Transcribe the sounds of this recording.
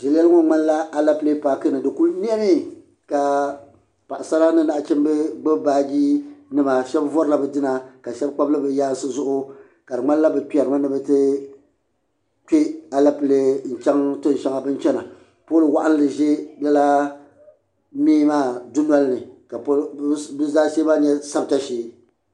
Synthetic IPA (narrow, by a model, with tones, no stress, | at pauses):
ʒɪ˨lɛ˦lɨ˦ŋo˦ŋ͡ma˦n˦la˦a˨la˦pɨ˦le˦paː˨kɨ˦nɨ˨dɨ˨ku˦lni˦ɛ˦mi˦ | ka˨ | pa˨ʔa˨sa˦ɾa˦nɨ˦na˨ʔt͡ʃɛ˦m˦bɨ˦ɡ͡bɨ˦baː˦ɡiː˦nɨ˦ma˨ʃɛ˦bvɔ˦ɾɨ˦la˨bɛ˨dɨ˦na˨ka˨ʃɛ˦b̚k͡pa˦blɨ˦bɨ˨jaː˦sɨ˦zʊ˦ʔʊ˦ | ka˨dɨ˨ŋ͡ma˦n˦la˦bɨ˨k͡pɛ˨ɾɨ˨ma˦nɨ˦bɛ˦tɨ˦ | k͡pe˦a˨la˦pɨ˨le˦n̩˨t͡ʃɛ˦ŋto˦n˨ʃa˦ŋa˨bɨ˦n˦t͡ʃɛ˦na˨ | poː˦lɨ˨wa˦ʔa˦n˦lɨ˨ʒe˦la˦la˦ | miː˦maː˦˨du˦n˦a˦lnɨ˨ka˨pbɨ˦zaː˦seː˦ma˦˨ɲɛ˦sa˦bta˦ʃeː˨˦